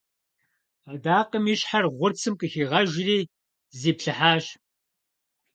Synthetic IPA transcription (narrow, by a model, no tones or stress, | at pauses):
adaːqəmiːɕħarʁʷʊrt͡sʰɨmkʼɨxiːʁɐʒɪriː | ziːpɬɨħaːɕ